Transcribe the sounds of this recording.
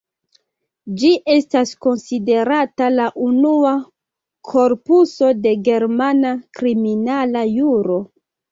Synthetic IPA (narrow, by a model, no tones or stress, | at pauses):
d͡ʒiʔe̞stasko̞nside̞ɾatalaʔunua | kʰo̞ɾpuso̞de̞ɡe̞ɾmanakɾiminalajuɾo̞